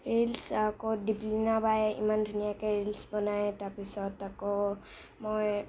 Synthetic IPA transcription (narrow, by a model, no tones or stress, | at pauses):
ɾelsakodiplinabajeʔḭmand̪ʱunijakeɾelsbɔnaet̪apisɔt̪ako | mɔj